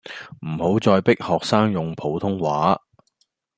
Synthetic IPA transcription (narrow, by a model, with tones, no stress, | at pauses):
m̩˨˩ho˨˥wt͡sɔː˧jpɪ˥k̚hɔː˨k̚saː˥ŋjʊ˨ŋpʰo˨˥wt̪ʰʊ˥ŋwaː˨˥